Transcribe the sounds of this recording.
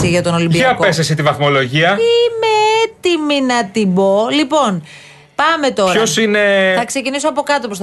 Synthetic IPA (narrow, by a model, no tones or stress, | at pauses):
siʝɐt̪o̞no̞limbieɐpkoesesit̪ivɐθmo̞lo̞ʝiɐimeet̪iminɐt̪ibo̞lipo̞n | pɐme̞t̪o̞ɾçɐosine̞θɐkse̞cinisoɐpo̞kɐt̪o̞pos